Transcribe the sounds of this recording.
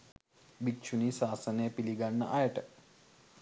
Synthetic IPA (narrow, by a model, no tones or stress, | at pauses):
bikt͡ʃunisaːsɐneːpiliɡanːɐ̰ʔajɐʈə